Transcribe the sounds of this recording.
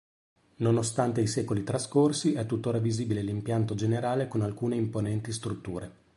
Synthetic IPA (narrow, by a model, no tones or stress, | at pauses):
nonost̪ant̪eisɛːkolit̪ɾaskorsiɛt̪ːut̪ːoːɾaviziːbilelimpjant̪od͡ʒeneɾaːlekonalkuːneimponɛnt̪ist̪ɾut̪ːuːɾe